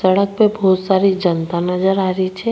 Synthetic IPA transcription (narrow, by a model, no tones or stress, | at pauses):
səɽək̚pebɔːt̪saːɾid͡ʒənt̪anɐd͡ʒəɾaːɾit͡ʃʰɛ